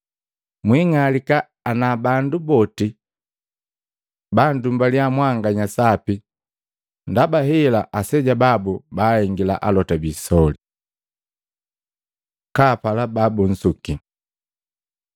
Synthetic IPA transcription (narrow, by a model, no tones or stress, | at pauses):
mwiŋalikaː | nabandubɔti | bandumbaljamwaŋɡaɲasapi | ndabaɦɛlaʔasɛɟababubahɛŋɡila̰ʔa̰lɔtabiːsɔli | kapalababun̩suki